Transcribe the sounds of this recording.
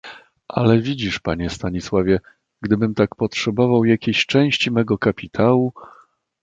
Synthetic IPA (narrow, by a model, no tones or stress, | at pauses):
ʔa̰lɛvʲid͡ʑiʂpaɲɛst̪aɲiswavʲjɛ | ɡd̪ɘbɘmt̪akpɔtʂɛbɔvawjakʲeɕt͡ʂɛ̃w̃ɕt͡ɕimɛɡɔkapʲit̪ʰawu